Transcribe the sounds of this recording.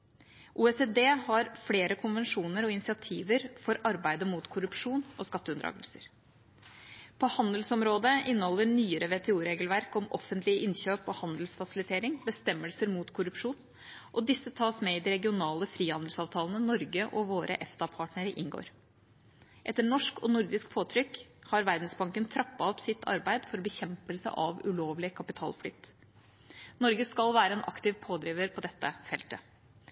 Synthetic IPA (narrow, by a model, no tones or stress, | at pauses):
ʔuːɛsed̪eːhɑɾfleːɾəkʰʊnʋɛnʂuːnəɾɔɪnɪsɪɑt̪ʰiːʋəɾfɔɾɑɾbæɪd̪əmuːt̪kʰʊɾʉpʂuːnʔɔskɑt̪ːəʉnd̪ɾɑ̰ːɡəlsəɾ | pʰɔhɑnd̪əlsɔmɾoːd̪əʔɪnːəhɔlːəɳyːəɾəʋɛt̪ʰɛuːɾeːɡəlʋæɾkɔmɔ̰fənt̪lɪəʔɪnçøːpɔhɑnd̪lsfɑsɪlɪt̪ʰeːɾɪŋbəst̪ɛmːəlsəɾmuːt̪kʰʊɾʉpʂuːn | ʔɔd̪ɪsːət̪ʰɑːsmɛɪd̪ɪɾɛɡɪʊnɑːləfɾiːhɑnd̪əl̩sɑːʋt̪ʰɑːlənənɔɾɡəʔɔʋoːɾʔə̰ʔɛft̪ɑpʰɑːʈnəɾəʔɪ̰nɡo̰ːɾ | ʔɛt̪ːəɳɔʂkɔnʊɾd̪ɪskpʰoːt̪ʰɾʏkːhɑɾʋæɾd̪nsbɑŋkənt̪ʰɾɑpːɑɔpsɪt̪ʰːɑ̰ɾbæɪd̪fɔɾbəçɛmpəlsə̰ʔɑʋʉloːʋlɪəkʰɑpɪt̪ʰɑ̰ːlflʏ̰t̪ː | nɔɾɡəskɑlʋæːɾəɛːnʔɑ̰kt̪ɪʋpʰoːd̪ɾiːʋəɾpʰɔd̪ɛt̪ːəfɛlt̪ə